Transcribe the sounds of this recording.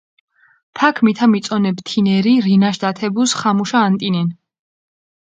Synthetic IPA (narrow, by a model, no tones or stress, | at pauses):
pʰakʰmit̪ʰamit̪sʼɔnɛbt̪ʰinɛɾiɾinaʃd̪at̪ʰɛbusχamuʃaːnt̪ʼinɛn